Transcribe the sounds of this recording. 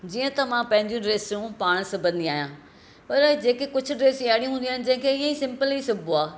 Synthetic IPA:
d͡ʑiːə̃t̪ɐmãpɐ̃ɦɪ̃ɲd͡ʑijũɖɾeːsjũpaːɽ̃sɐbʱə̃nd̪iaːɦijã | pɐɾd͡ʑeːkekʊd͡ʑʰʊ̆ɖɾeːsaːɽĩũɦũːnd̪iaːɪnɪ̆d͡ʑɐ̃ɦɪ̃kʰeiːə̃isɪ̃mpəlisʊbʱoaː

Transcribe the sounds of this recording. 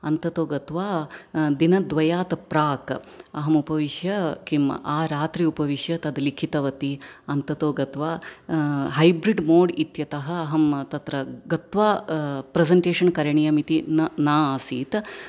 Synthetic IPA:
ɐnt̪ɐt̪oːɡɐt̪ʋaːd̪inɐd̪ʋɐjaːt̪ɐpɾaːkɐɦɐmupɐʋiʃjɐkimʔaːɾaːt̪ɾiupɐʋiʃjɐt̪ɐd̪likʰit̪ɐʋɐt̪iɐnt̪ɐt̪oːɡɐt̪ʋaː | ɦɐjbɾiɖmoːɖit̪jɐt̪ɐɦɐ̆ɐɦɐmt̪ɐt̪ɾɐɡɐt̪ʋaːpɾezɐɳʈeːʂɐnkɐɾɐɳijɐmit̪innaːaːsiːt̪

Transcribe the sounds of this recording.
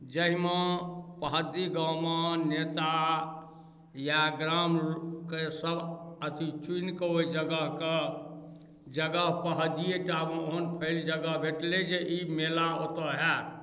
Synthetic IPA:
d͡ʒəɦimepəɦəd̪iɡəmenet̪a | jaɡɾamkesəbət̪ʰit͡ʃinkeoid͡ʒəɡəɦke | d͡ʒəɡəɦpəɦəd̪ijeʈameoɦənpʰəld͡ʒəɡəɦbʱeʈled͡ʒeʔimelaot̪əɦɛ

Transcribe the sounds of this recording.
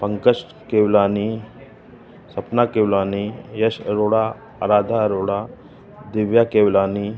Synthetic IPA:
pəŋkəsʈ | keʋlani | səpnakewlanijəɕəɾoɽa | əɾad̪ʱaɾoɽa | d̪iʋjakeʋlani

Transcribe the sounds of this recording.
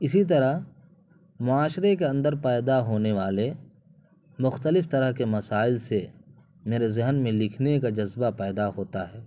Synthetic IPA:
ɪsit̪̬ɐɾəɦ | mʊaːʃɾek̬eɐ̃nd̪əɾpɛːd̪aɦoːneʋaːle | mʊxt̪əlɪft̪ɐɾəɦkemɐsaːɪlse | meːɾezɪɦnmẽlɪkʰnekad͡ʒɐzbapɛːd̪aɦoːt̪aɦɛː

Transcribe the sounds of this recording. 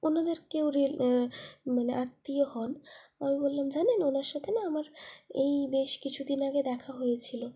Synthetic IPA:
onad̪eɾkewɾi | maneʔat̪ːiohɔnamibolːamd͡ʑanenonaɾʃat̪ʰenaamaɾejbeʃkit͡ɕʰud̪inaɡed̪ɛkʰaɦojet͡ɕʰilo

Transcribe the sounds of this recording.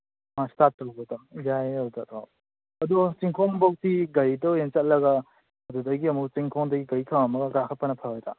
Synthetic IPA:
mastatːɐwotajajɐwdatʰo̰ | ɐdut͡ʃiŋkʰoŋbɐwk̚tiɡɐjdɔent͡ʃɐt̚lɐɡɐ | ɐdudɐjɡiɐmuk̚t͡ʃiŋkʰoŋdɐɡiɡɐjkʰamɐmɐɡɐɡakʰɐt̚pɐnɐpʰaɾajta̰

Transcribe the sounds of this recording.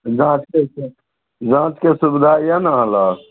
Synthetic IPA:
d͡ʒãt͡ʃke | d͡ʒãːt͡ʃkesubd̪ʱaijanaɦə̃la

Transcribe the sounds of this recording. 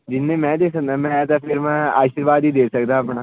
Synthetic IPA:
d͡ʒɪnːẽːmɛ̃ːd̪eːsək̚d̪aːmɛ̃ːt̪apʰɪɾmɛ̃ːa̰ːʃəɾʋaːd̪iːd̪eːsəkd̪aːəpɳaː

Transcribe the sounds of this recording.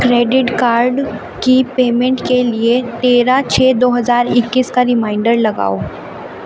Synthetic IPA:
kɾeːɖɪʈkaːɾɖ | kipeːmɛ̃ɳʈkeliet̪eːɾat͡ʃʰɛːd̪oːɦɐzaːɾɪkːiskaɾɪmaːɪɳɖəɾlɐɡa̰ːoː

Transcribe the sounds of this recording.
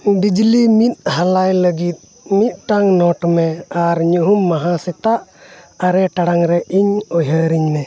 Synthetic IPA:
ɖid͡ʒlimit̪̚halajləɡit̪̚ˀ | mit̪̚ˀʈaŋnɔʈmɛaɾɲuɦumːaɦãsɛt̪aʔaɾɛʈaɽaŋɾɛʔiɲɔɦəɾiɲnɛ

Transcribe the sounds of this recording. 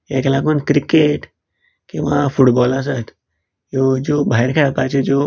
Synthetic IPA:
eːklaɡunkɾɪkeʈ | kĩʋãfuʈbɔːlas̬at̪ | jod͡ʒoːbʱaɪɾkʰeapat͡ʃʰed͡ʒo

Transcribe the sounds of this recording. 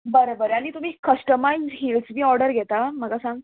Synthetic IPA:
bəɾobəɾaɽ̃it̪um̤iːkːəʂʈəmajzɦilsbʱiːɔɾɖəɾɡʱet̪aməɡasãŋɡ

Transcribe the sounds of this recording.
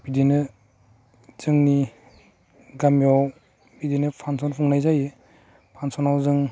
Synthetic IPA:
b̥idenɯ | z̥ɯŋni | ɡamjɔw | bidenɯpʰansɔnpʰuŋnajzaje | pʰansɔnawzɯŋ

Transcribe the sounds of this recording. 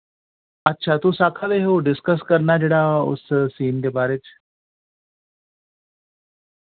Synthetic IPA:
ətːɕʰat̪usakʰad̪eɦoɖɪskəskəɾɳad͡ʑeɽao̰səsiːnd̪ebaɾet͡ɕ

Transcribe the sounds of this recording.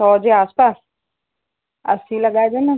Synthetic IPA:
ɔːd͡ʒeaːspaːs | ɐ̰silɐɡaːjd͡ʒaːna

